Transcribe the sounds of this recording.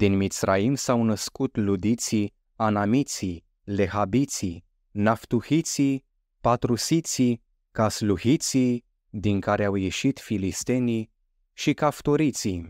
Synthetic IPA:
d̪inmit̪sra̰imsawnəskut̪lud̪it̪si | anamit̪si | le̞ɦabit̪si | naft̪uhit̪si | pat̪ɾusit̪si | kasluhit̪si | d̪inkaɾeawjeʃit̪filist̪e̞ni | ʃikaft̪oɾit̪si

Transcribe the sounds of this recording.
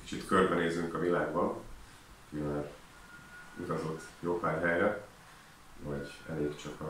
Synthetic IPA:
ki̥t͡ʃit̪kørbɛneːzyŋkɒvilaːɡbɒn | kimaːɾ | ṵt̪ɒzo̞t̪ːjoːpaːɾɦɛjrɛ | vɒɟɛ̰leːkt͡ʃɒkɒ

